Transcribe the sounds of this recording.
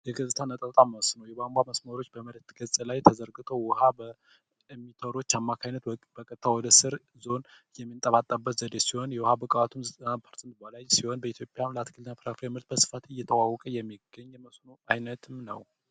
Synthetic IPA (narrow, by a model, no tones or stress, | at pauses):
jɛɡət̪ʼɨt̪ʰanət̪ʼət̪ʼaməwsnəwjɛbamɡaməsməɾo̞t͡ʃːbəmələt̪ɡəzʼlajt̪ʰəzəɾɡɨt̪ʼʰo̞wʊhabə | mːit̪ʰəɾo̞t͡ʃːamːakʰajnət̪b̥əkʼət̪ʰːawɔd̪əsɨɾ | zo̞n | jɛmːint̪ʼəβat̪ʼːəbːət̪zəd̪esiho̞njɛwɔhabəkʼəwat̪ʰumzət̪ʼənapʰəɾsʼɨnt̪balajsiho̞nbəit̪ʰjo̞pʼjanləat̪kʰɨlnapʰɾafɾemɨɾt̪̚bəsɨ̥fat̪ɨjːɛt̪ʰəwawɔkʼəjɛmːiɡ̥ːəɲːɛməsnoajnət̪ʰɨmnə̰w